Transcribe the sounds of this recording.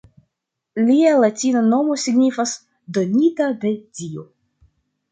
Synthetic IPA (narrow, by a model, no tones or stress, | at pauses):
lialatinano̞mo̞siɡnifas | do̞nitade̞dio